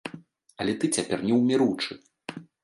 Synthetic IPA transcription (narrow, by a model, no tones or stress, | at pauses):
ɐlʲɛt̪ɨt͡sʲapʲɛrnʲɛwmʲɛɾuwt͡ʂɨ